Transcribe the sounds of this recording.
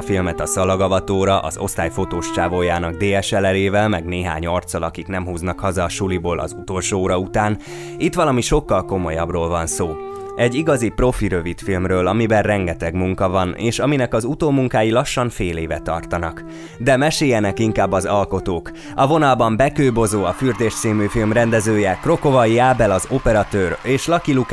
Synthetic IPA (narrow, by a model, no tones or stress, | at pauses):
filmɛt̪ɒsɒlɒɡɒvɒt̪oːɾɒʔɒ̰zo̞̰st̪aːjfo̞t̪oːʃt͡ʃaːvoːjaːnɒɡd̪eːɛʃɛlɛleːvɛlmɛɡneːɦa̰ːɲort̪sɒlɒkiknɛmɦuːznɒkhɒzɒːʃuliboːlʔɒ̰zut̪o̞lʃoːoːɾɒut̪aːn | it̪ʋɒlɒmiʃo̞kːɒlko̞mo̞jɒbroːlvɒnsoː | ɛɟːiɡɒzipro̞fiɾøvit̪filmrøːlɒmibɛrrɛŋɡɛt̪ɛɡmuŋkɒvɒnḛːʃɒminɛkɒzut̪oːmuŋkaːjilɒʃːɒɱfeːleːvɛ̰t̪ɒ̰rt̪ɒnɒk | d̪ɛmɛʃeːjɛnɛkiŋkaːbːɒzɒlko̞t̪oːk | ɒvo̞nɒlbɒmbɛkøːbo̞zoːɒfyrd̪eːʃt̪siːmyːfilmrɛnd̪ɛzøːjɛkro̞kovɒiaːbɛlɒzopɛɾɒt̪øːreːʃlɒkiluk